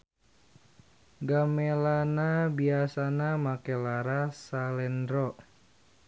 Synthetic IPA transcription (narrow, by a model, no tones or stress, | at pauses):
ɡamelanabiasanamakɛlaɾasalɛndɾɔ